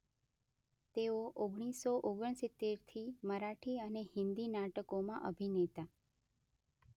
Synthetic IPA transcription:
t̪eoʔoɡɽ̃isːoʔoɡəɳsɪt̪ːeɾt̪ʰiməɾaʈʰiənehɪnd̪inaʈəkomã̰ʔəbʱinet̪a

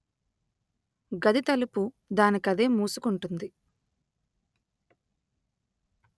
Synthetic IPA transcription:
ɡɐd̪it̪ɐlupu | d̪aːnikɐd̪e̞ːmuːsukuɳʈund̪i

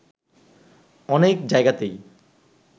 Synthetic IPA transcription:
ɔnekd͡ʑaeɡat̪ej

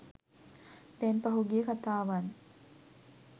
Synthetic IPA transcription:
t̪ɛnpɐɦuɡijəkat̪aːʋan

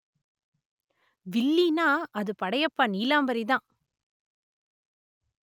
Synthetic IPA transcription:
ʋɪlːinaːʔɐðɯpɐɽɐjɐpːaːniːlaːmbɐɾiðãː

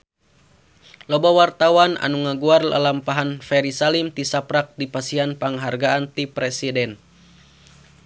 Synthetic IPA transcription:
lɔbawart̪awana̰nuŋaɡuarla̰lampaɦanfɛɾisalimt̪isapɾak̚dipasianpaŋɦarɡaːnt̪ipɾɛsidɛn

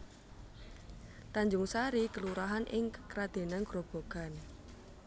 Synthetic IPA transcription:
t̪aɲd͡ʒʊŋsaɾikəluɾaɦanʔɪŋkəkɾad̪̥e̤naŋɡ̥ɾob̥o̤ɡ̥a̤n

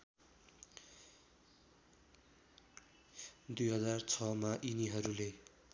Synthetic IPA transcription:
d̪ujɦʌd͡zart͡sʰʌmaʔiniɦʌɾule

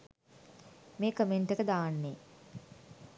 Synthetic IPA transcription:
meːkəmeɳʈekəd̪aːnːeː

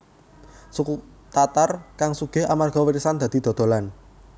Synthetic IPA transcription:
sukut̪at̪arkaŋsuɡ̥e̤ɦamarɡ̥ɔ̤wəɾisand̪̥ä̤d̪̥i̤d̪̥ɔ̤d̪̥o̤lan

